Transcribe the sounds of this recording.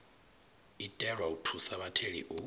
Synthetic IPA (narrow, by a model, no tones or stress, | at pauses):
itʼɛɺwautʰusaβatʰeɺḭʔu